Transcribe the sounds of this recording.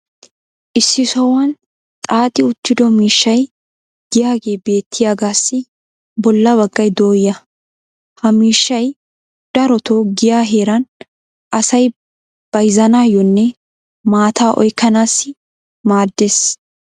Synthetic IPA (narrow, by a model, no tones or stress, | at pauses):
ʔɪsːɪsɔwɐn | t̪ʼaːt̪ʼɪʊt̪ːɪd̪ɔmiːʃːɐj | ɡ̥ɪjaːɡe̞ːbe̞ːt̪ʰːɪjaːɡaːsːɪ | bɔlːɐbɐɡːɐjd̪o̞ːjɐ | hɐmiːʃːɐj | d̪̥ɐɾɔt̪oːɡɪjaːɦe̞ːɾɐn | ʔɐsɐj | b̥ɐjzɐnaːjːɔnːɛ | maːt̪aːʔɔ̰jkːɐnaːsːɪ | maːd̪ːeːs